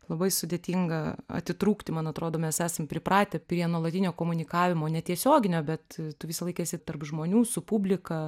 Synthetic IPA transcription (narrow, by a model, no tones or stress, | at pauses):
lˠɐbɐɪsʊd̪ʲeːt̪ʲiŋɡɐɐ̰t̪ʲɪt̪ɾuːkt̪ʲɪmɐnɐt̪ɾoːd̪oːmʲɛsæːsɐmpʲɾʲɪpɾɑːt̪ʲɛpʲɾʲiɛnuɔlˠɐt̪ʲɪnʲoːkoːmʊnʲɪkɑːʋʲɪmoːnʲɛt̪ʲiɛsʲoːɡʲɪnʲoːbʲɛt̪t̪ʊʋʲɪsɐlˠɐɪkːsʲɪt̪ɐrpʒmoːnʲuːsʊpʊbʲlʲɪkɐ